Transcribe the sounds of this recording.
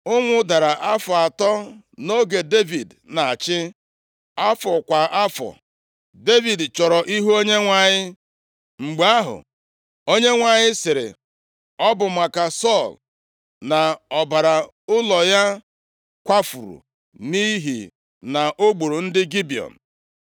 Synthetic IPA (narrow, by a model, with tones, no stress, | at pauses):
ʊ˦ŋʷʊ˦da˨ɾa˨ʔa˦fɔ˨a˨tɔ˦ | no˦ɡe˨de˦vi˨d | na˨a˨t͡ʃɪ˦ | a˦fɔ˨kʷa˨ʔa˦fɔ̰˨ | de˦vi˨dt͡ʃɔ˨ɾɔ˨ʔi˦ɦu˦o˦ɲe˦ŋʷa˨ɲɪ˦ | ŋ͡m̩˨ɡ͡ba˦ɦʊ̰˨ | o˦ɲe˦ŋʷa˨ɲɪ˦sɪ˨ɾɪ̰˨ | ɔ˦bʊ˨m̩a˨ka˨sɔ˦˨l | na˨ɔ˨ba˨ɾa˨ | ʊ˦lɔ˨ja˦ | kʷa˦fṵ˨ɾṵ˨ | ni˦ɦḭ˨ | na˨ʔo˦ɡ͡bu˨ɾu˨n̩˦dɪ˦ɡi˦bi˨ɔ̰˨n̩˨